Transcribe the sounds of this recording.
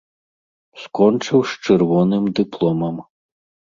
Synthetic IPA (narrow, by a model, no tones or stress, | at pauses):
skɔnt͡ʂɨwst͡ʂɛrvɔnɨmd̪ɨplˠɔmɐm